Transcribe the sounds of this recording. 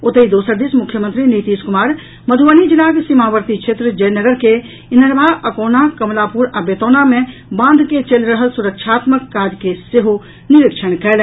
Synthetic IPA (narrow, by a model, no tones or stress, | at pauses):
ot̪əid̪osəɾd̪ismʊkʰjəmənt̪ɾinit̪iskumaːɾ | məd̪ʱʋənid͡ʒilakesimaʋəɾt̪it͡ʃʰet̪ɾəd͡ʒəjnəɡəɾke | inəɾbʱaəkoːnakəmlapuɾabet̪onamẽbãːnd̪ʱket͡ʃəlɾəɦəlsuɾəkʃʰaːt̪məkːad͡ʒkeseɦu | niɾikʃʰənkɛːl